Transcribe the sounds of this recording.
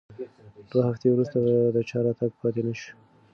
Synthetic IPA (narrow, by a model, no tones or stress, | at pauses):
d̪̥wahaft̪ewɾust̪ad̪ət͡ʃɑɾɑt̪aɡ̚pɑt̪enəʃi̥